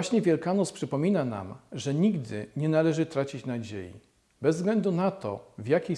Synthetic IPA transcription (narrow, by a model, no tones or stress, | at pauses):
aɕɲɛvʲjɛlkanɔspʂɘpɔmʲinana̰mʐɛɲiɡd̪ɘ̰ɲɛnalɛʐɘt̪ɾat͡ɕit͡ɕnad͡ʑḛjḭ | bɛzːɡlɛnd̪unat̪ɔ̰vjakʲej